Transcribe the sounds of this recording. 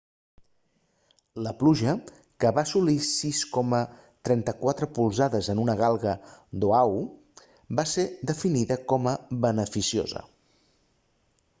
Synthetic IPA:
ləpluʒə | kəβasulisiskɔmə | t̪ɾɛnt̪əkwat̪ɾəpulˠzaðəzənunəɣalˠɣəd̪oaw | based̪əfiniðəkɔməβənəfisio̰zə̰

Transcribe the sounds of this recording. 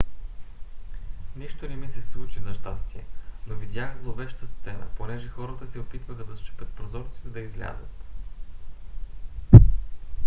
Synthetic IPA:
niʃt̪onɛmisɛslˠut͡ʃizɐʃt̪ast̪iɛ̰novid̪ʲjaxzlˠovɛʃt̪əst̪sɛnə̰ponɛʒɛxɔɾət̪əsɛopit̪vəxɐd̪ɐst͡ʃɛ̥pʲət̪̚pɾozɔɾsizɐd̪ɐizlʲa̰zə̰t̪

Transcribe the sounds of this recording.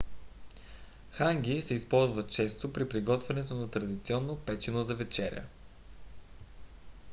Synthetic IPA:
xaŋɡʲisɛispɔlˠzvət̪̚t͡ʃɛst̪opɾipɾiɡɔt̪vɛnɛt̪onɐt̪ɾɐd̪it̪siɔnːopɛt͡ʃinozɐvɛt͡ʃɛɾʲə̰

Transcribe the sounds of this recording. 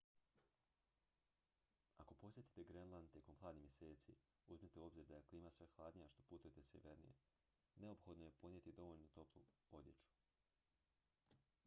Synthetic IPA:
ako̞po̞sje̞t̪i̥t̪eɡɾenlˠand̪t̪jeko̞mxlˠaːd̪nihmjese̞ːt̪sḭ | uzmit̪eo̞bziɾd̪ajekliːmasʋexlˠaːd̪nijaʃt̪o̞put̪ujet̪eseʋeɾnḭjḛ | ne̞opxo̞d̪noje̞ponjet̪id̪o̞ʋo̞ʎnut̪o̞plˠuod̪jet͡ʃu̥

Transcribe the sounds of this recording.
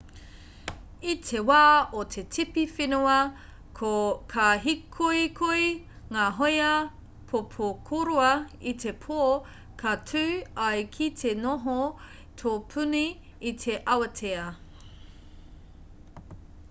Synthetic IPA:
itʰewaːotʰetʰipifinuɐ | kʰokʰaɦikʰujkʰuj | ŋaːɦojɐ | pʰopʰokʰoɾuɐitʰepʰo | kʰɐtʰʉːɐjkʰitʰenoɦo | tʰoːpʰʉniː | tʰeʔɐwɐtʰeɐ

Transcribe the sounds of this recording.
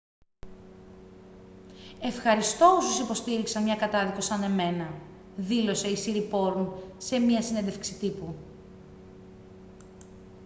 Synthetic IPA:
e̞fxɐɾist̪o̞osusipo̞st̪iɾiksɐnmɲɐkɐt̪ɐðiko̞sɐne̞me̞nɐ | ðilo̞se̞isiɾipo̞ɾumse̞miɐsinend̪e̞fksit̪ipu

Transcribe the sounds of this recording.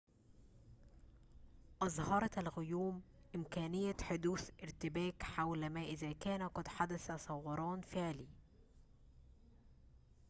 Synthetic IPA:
ʔɑzˤhɑɾˤɑælɣʊjuːm | ʔɪmkæːnɪjːæħʊd̪uːθʔɪɾt̪ɪbæːkħawlmæːʔɪðæːkæːnæqɑd̪ħad̪æθæsˤɑwːɑɾˤɑːnfɪʕliː

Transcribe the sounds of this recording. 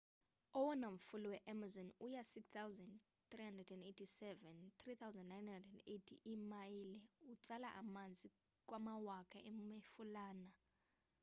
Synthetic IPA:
ɔwɔnam̩fuluwɛʔamazɔnujasikst̪awzand | t̪rihandrɛdɛndetʰisɛvɛnt̪rit̪ʰawzaɛndnajnhandrɛdɛndetʰiʔimajilɛut͡sʼalaʔamand͡zʱi | k̬ʼwamawakʰaʔemifulaːna

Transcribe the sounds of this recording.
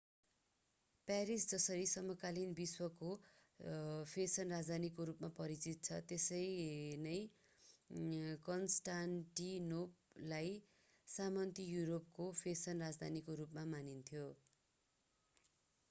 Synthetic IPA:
paɾisd͡zʌsʌɾisʌmʌkalinbiswʌko | pʰesʌnrad͡zd̪ʱanikoɾupmapʌɾit͡sit̪̚t͡sʰʌt̪esʌjnʌj | kʌnsʈanʈinop̚laj | samʌnt̪ijuɾop̚kopʰesʌnrad͡zd̪ʱanikoɾupmamanint̪ʰjo

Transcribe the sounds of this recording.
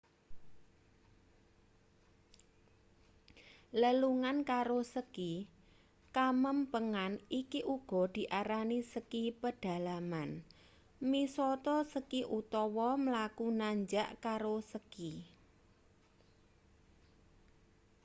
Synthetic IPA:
ləluŋankaɾosəki | kaməmpəŋanikiʔuɡ̥ɔ̤d̪̥i̤ʔaɾanisəkipəɖ̥a̤laman | misɔt̪ɔsəkiʔut̪ɔwɔməlakunaɲd͡ʒaʔkaɾosəki

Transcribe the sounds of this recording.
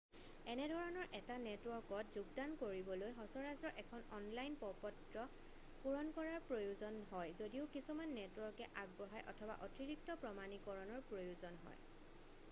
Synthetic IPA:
ɛnɛdʱɔɹɔnɔɹʔɛtanɛtwɔɹkɔtzuɡdankoɹibɔlojxɔsɔɹazɹɔɹʔɛkʰɔnɔnlajnpɔpɔtɹɔ | puɹɔnkɔɹaɹpɹojuzɔnɦɔjzodiʊkisumanːɛtwɔɹkɛʔaɡ̚bɔɦajʔɔ̰tʰɔba̰ʔɔtʰiɹik̚tɔpɹɔmanikɔɹɔnɔɹpɹojuzɔnɦɔ̰j

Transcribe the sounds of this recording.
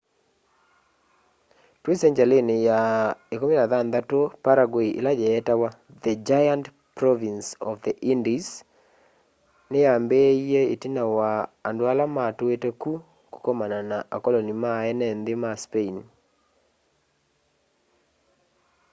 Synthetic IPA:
twisɛɲd͡ʒalenejaekominaðanðatopaɾaɡoiʔḛlad͡ʒɛːtawa | ðəd͡ʒajant | pɾɔvinsɔfðəʔindis | nɪjambejeetinawaːndwalamatoeteku | ku̥kɔmananaʔakɔlonimaɛnɛnd̪ɪmaspein

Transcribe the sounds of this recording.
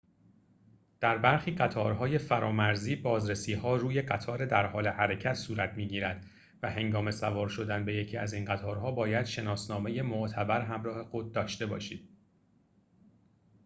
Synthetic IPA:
d̪̥æɾbæɾxiːɢæt̪ʰɒːɾɦɒːje̞fæɾɒːmæɾziːbɒːzɾe̞siːhɒːruːje̞ɢæt̪ʰɒːɾe̞d̪æɾhɒːle̞hæɾe̞cʰæt̪suːɾæt̪ʰmiːɟiːɾæd̪ | væhe̞ŋɡɒːme̞sævɒːɾʃo̞d̪ænbe̞je̞cʰiːæzinɢæt̪ʰɒːɾɦɒːbɒːjæd̪̥ʃe̞nɒːsnɒːme̞je̞moʔt̪ʰæbæɾɦæmɾɒːhe̞xo̞d̪̚ːɒːʃt̪e̞bɒːʃiːd̪̥̚

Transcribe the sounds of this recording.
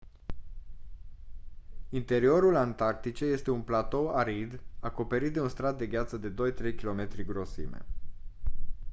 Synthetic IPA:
int̪e̞ɾio̞ɾulant̪ark̚t̪it͡ʃeje̞st̪e̞unplat̪o̞aɾid̪ako̞pe̞ɾit̪̚d̪e̞unst̪ɾat̪̚d̪e̞ɡʲat̪səd̪e̞d̪o̞jt̪ɾe̞jkʲilo̞me̞t̪ɾiɡɾo̞sḭmḛ

